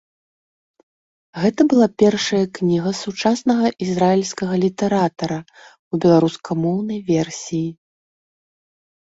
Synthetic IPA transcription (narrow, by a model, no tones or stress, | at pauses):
ɣɛt̪ɐbɨlˠapʲɛrʂɐjɐknʲiɣɐsut͡ʂasnɐɣɐʔizrailʲsʲkɐɣɐlʲit̪ɛɾat̪ɐɾɐ | ubʲɛlˠaɾuskʰɐmɔwnɐjvʲɛrsʲiji